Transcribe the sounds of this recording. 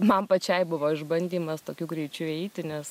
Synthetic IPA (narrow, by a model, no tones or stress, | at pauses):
mɐnpɐt͡ʃʲɛɪbʊʋoːɪʒbɐnʲd̪ʲiːmɐst̪oːkʲuːɡɾʲɛɪt͡ʃʲuːɛɪt̪ʲɪnʲɛs